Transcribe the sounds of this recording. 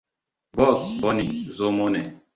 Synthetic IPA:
bɔ˦˨lsbɔ˦ni˨zo˦mo˦nɛ˨

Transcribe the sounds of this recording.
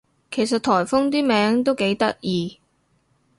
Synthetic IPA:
kʰe˨˩jsɐ˨t̪̚ʰɔː˨˩jfʊ˥ŋt̪̬iː˥mɛː˨˥ŋt̪o˥wke˨˥jt̪ɐ˥k̚jiː˨˧

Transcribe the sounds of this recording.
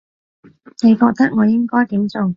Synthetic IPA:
ne˨˧jkɔː˧k̚t̪ɐ˥k̚ŋɔː˨˧jɪ˥ŋkɔː˥jt̪iː˨˥mt͡sʊ˨ŋ

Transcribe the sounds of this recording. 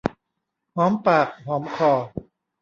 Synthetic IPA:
hɔː˨˦mpaː˨˩k̚ɦɔː˩˦mkʰɔː˨˩

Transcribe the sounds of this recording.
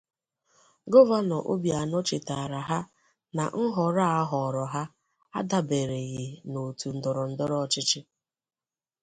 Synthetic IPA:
ɡo˦va˦nɔ˨ʔo̰˦bja˨nɔ˦t͡ʃɪ˨ta˨ɾa˨ɦa˦ | na̰˨ŋ̩˦ɦɔ˨ɾa˦a˦ɦɔ˨ɾɔ˨ɦa˦ | a˦da˦be˨ɾe˨ɣɪ˨no˨tu˨n̩˦dɔ˨ɾɔ˨n̩˦dɔ˦ɾɔ˦ɔ˨t͡ʃɪ˦t͡ʃɪ˦

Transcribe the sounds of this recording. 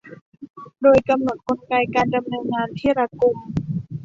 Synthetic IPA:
doː˧jka˧mno˨˩t̪̚ko˧nka˧jkaː˧nda˧mnɤː˧nŋaː˧nt̪ʰiː˥˩ɾa˧ku˧m

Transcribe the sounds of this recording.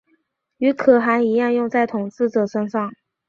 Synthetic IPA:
y˧˥kʰɤ˨˩xa˧˥ɪi˧˥jɑ˥˧ŋjʊ˥˧ŋt͡sa˥˩ɪt̪ʰʊ˨˩ŋt͡sɹ̩˥˩ʈ͡ʂɤ˨˩ʂə˥nʂɑ˥˩ŋ

